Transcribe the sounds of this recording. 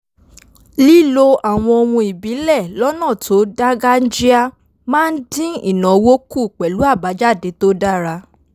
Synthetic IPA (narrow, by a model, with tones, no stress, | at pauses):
li˦lo˧ʔa˨w̃ɔ̃˧o˧wũ˧i˨bi˨˦lɛ˦˨lɔ˦nã˦˨tʰo˨˦da˦ɡa˦n̩˦d͡ʒi˦a˦ | mãː˦n̩˦dĩ˦ḭ˦˨nã˨wo˦ku˦˨k͡pɛ˨lu˨˦a˦˨ba˨˦d͡ʒa˦˨de˨˦to˦da˦˨ɾa˧